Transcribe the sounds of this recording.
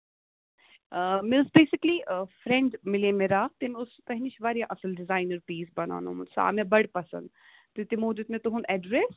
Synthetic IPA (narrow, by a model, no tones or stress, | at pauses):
mɪlsbeːsɪklifɾɛ̃ɳɖmɪlemeɾaːt̪ɪmʊspɛɦniʃʋaːɾijãʔɐsəlɖɪzaːɪnəɾpiːsbɐna̰ːno̰ːmʊnsa̰ːmẽbɐɽpɐsə̰̃nd̪ | t̪it̪ɪmoːd̪ʊt̪mẽt̪uɦũnɛɖɾes